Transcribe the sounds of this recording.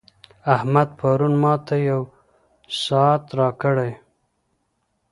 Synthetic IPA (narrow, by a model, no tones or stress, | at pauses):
ahmad̪̚pʰaɾunmɑt̪ajaw | sɑt̪ɾɑkəɽaj